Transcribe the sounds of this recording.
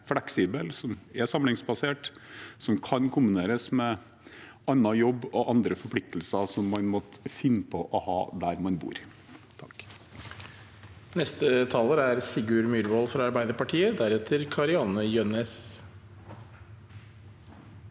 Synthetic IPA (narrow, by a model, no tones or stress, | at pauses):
flɛksiːbəlsɔmɛsɑmlɪŋsbɑseːʈsɔmkʰɑnkʰʊmbɪneːɾəsmɛ | ɑnːɑjɔbːɔʔɑnd̪ɾəfɔɾpʰlɪk̚t̪ʰəlsɑsɔmːɑnmɔt̪fɪnːəpʰɔʔɔhɑ̰ːd̪æɾmɑnbṵːɾ | t̪ʰɑk | nɛst̪ət̪ʰɑːləɾæɾsɪɡʉːɾmyɾʋɔlfɾɑɑɾbæɪd̪əɾpɑʈʰiːəd̪æɾɛt̪ʰəɾkʰɑɾɪɑnəjœnɛs